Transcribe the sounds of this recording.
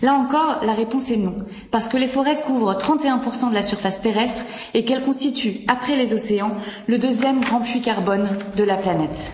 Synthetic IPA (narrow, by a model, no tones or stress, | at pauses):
laɑ̃kɔʁlaʁepɔ̃sɛnɔ̃ | paʁsə̥kəlefɔʁɛkuvʁət̪χɑ̃t̪eɛ̃puʁsɑ̃d̪əlasyʁfast̪eʁɛst̪χ | ekɛlkɔ̃st̪it̪yapχɛlezɔseɑ̃ləd̪øzjɛmɡʁɑ̃pɥikaʁbɔnd̪əlaplanɛt̪